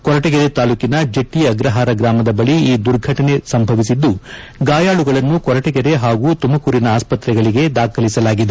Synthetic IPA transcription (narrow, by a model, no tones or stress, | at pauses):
kɔɾɐʈɛɡɛɾe̞t̪aːluːkinɐd͡ʒeʈːiɐɡɾɐɦaːɾɐɡɾaːmɐd̪ɐbɐɭiiːd̪uɾɡʱɐʈɐne̞sɐmbʱɐʋisid̪ːu | ɡaːjaːɭuɡɐɭɐnːukɔɾɐʈɛɡɛɾe̞ɦaːɡut̪umɐkuːɾinɐaːspɐt̪ɾɛɡɐɭiɡe̞d̪aːkʰɐlisɐlaːɡid̪e